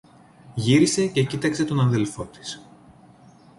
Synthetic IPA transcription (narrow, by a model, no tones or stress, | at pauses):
ʝiɾise̞ce̞cit̪ɐkse̞t̪o̞nɐnðe̞lfo̞t̪i̥s